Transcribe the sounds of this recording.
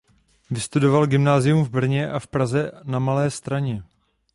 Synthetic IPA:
vɪst̪udo̞valɡɪmnaːzɪjumvbr̩ɲɛʔafpɾazɛnamalɛːst̪ɾaɲɛ

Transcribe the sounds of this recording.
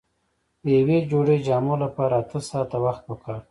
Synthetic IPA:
d̪əjawed͡ʒoɽed͡ʒɑmolapɑɾaːt̪əsɑːt̪awaxt̪̚pəkʰɑɾ

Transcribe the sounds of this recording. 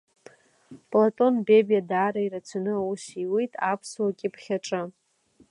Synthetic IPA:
pʼlatʼo̞nbe̞bijadaːɾaiɾat͡sʷʰanɨausiwijtʼapʰswakʲʼipʰχʲaʈ͡ʂʼɨ

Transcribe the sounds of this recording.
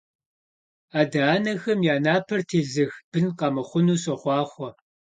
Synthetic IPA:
aːdɐaːnɐxɐmjaːnaːpʰɐrtʰeːɮɨxb̥ɨnqɑmɐχʷʊnuːsɐχʷɑːχʷɔ

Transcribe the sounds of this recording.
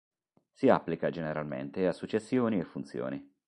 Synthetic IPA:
sia̰pːlikad͡ʒeneɾalmḛnt̪easːut͡ʃːesːjoːniefːunt̪sjo̰ːni

